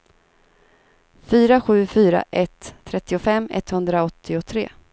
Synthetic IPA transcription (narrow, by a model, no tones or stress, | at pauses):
fyːɾaɧʉ̟ːfyːɾa̰ʔɛt̪ʰːɾɛt̪ːɪʊfɛmːɛ̰t̪hɵnd̪ɾaɔt̪ʰːɪʊt̪ʰɾeː